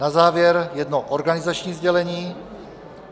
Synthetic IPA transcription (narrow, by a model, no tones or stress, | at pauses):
nazaːvjɛɾjɛdnoʔoɾɡanɪzat͡ʃɲiːzɟɛlɛɲiː